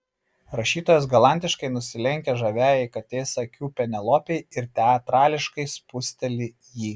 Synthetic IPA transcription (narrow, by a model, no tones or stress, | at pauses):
ɾɐʃʲiːt̪oːjɛs̬ɡɐlˠɑˑnʲt̪ʲɪʃkɐɪnʊsʲɪlʲɛŋʲkʲɛʒɐʋʲæːjɛɪkɐt̪ʲeːsɐkʲuːpʲɛnʲɛlˠoːpʲeɪɪɾt̪ʲɛɐt̪ɾɑːlʲɪʃkɐɪspʊsʲt̪ʲɛlʲɪ | jiː